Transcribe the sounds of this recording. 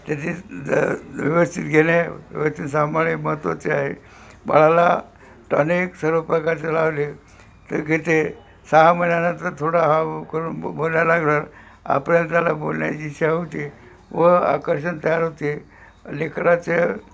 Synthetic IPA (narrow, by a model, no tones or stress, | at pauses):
t̪jat̪ʰi | ʋiʋəst̪ʰit̪ɡʱenjaʋḭʋəst̪ʰit̪s̬amaɭeməɦət̪ʋa̰t͡seaɦe | ba̰ɭ̤ala | ʈə̰neksəɾʋəpɾəkaɾt͡selaʋle | t̪əɾɡʱet̪e | saɦamənjanət̪əɾt̪ʰoɽaɦakəɾuːnbolnjalaɡnaɾ | a̰pɳalt̪̬jalabolnja̰t͡ɕiɕaɦot̪iː | ʋəa̰kəɾɕ̬ənt̪əjaɾɦot̪i | lekɾat͡se